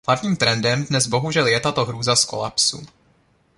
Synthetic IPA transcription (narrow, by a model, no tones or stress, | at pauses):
adɲiːmt̪ɾɛndɛmdnɛzbo̞ɦuʒɛljɛt̪at̪o̞ɦɾuːzasko̞̰la̰psṵ